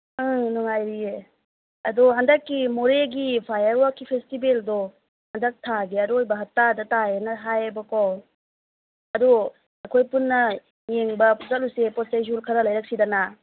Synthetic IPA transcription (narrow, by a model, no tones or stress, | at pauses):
ɯnuŋajɾie | ɐdɔɦandɐkːimoɾeɡipʰajaɾwakʰːipʰestibeldɔ | hɐndɐk̚tʰaɡeɐɾoojbɐɦatːadɐtajenɐɦajabɐkɔw | ɐdu | ɐkʰojpunːɐ | jeŋbɐzat̚lusepɔt̚sajzulkʰɐɾɐlɐjɾɐk̚sidana